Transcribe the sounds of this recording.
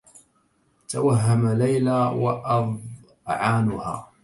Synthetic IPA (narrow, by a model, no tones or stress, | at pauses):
t̪awaɦːamalajlawa̰ʔɑð | ʕaːnʊha̰ː